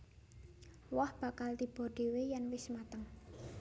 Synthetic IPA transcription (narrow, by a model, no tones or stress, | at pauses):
wɔhb̥a̤kald̪i̤b̥o̤ɖ̪̥e̤wejanwɪsmat̪əŋ